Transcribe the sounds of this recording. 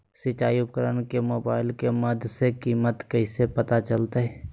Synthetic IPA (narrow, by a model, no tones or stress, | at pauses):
sɪt͡ʃaːiʊp̚kəɾənkemoːbaːɪlkeməd̪ʱsekiːmət̪kɐɪsepət̪at͡ʃəlt̪eɦɛː